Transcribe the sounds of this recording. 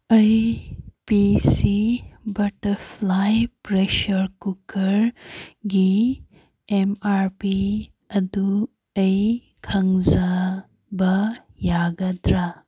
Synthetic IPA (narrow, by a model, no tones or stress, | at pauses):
ɐjpisibɐʈɐflajpɾeʃəɾkukɐɾɡi | emaɾpi | ɐd̪u | ɐj | kʰɐŋza | bɐjaːɡɐd̪ɾa